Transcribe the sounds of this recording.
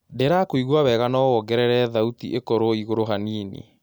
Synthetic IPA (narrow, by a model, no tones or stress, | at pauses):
deɾakoiɣwaβɛɣanɔwɔɡɛɾɛɾɛðautiʔekoɾoiɣoɾoɦaniːnḛ